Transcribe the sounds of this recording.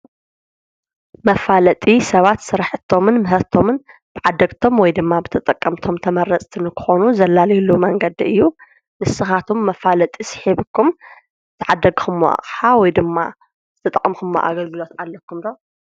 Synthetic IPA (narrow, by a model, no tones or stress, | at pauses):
mɐfalɐt̪ʼisɐβat̪sɨɾħɨt̪ʰːo̞mɨnmɨɦɐt̪ʰo̞mɨnb̥ɨʕad̪ːɐɡt̪ʰo̞mwɔjd̪ɨmːabɨt̪ʰɐt̪ʼɐkʼːɐmt̪ʰo̞mt̪ʰɐmɐɾɐt͡sʼt̪ʰɨnɨkʰɨ̥xonuzɐlːalɐjlumɐŋɡɐd̪iɨjːu | nɨsːɨxat̪ʰomːɐfalɐt̪ʼisɨ̥ħiβɨkʰːum | zɨt̪ʰɨʕad̪ːɐɡxɨmːo̰ʔa̰χʼħawɔjd̪ɨmːa̰ | zɨt̪ʰɐt̪ʼɐkʼmxɨmːo̰ʔa̰ɡɐlɡɨlo̞t̪ʕalːɐkːumd̪o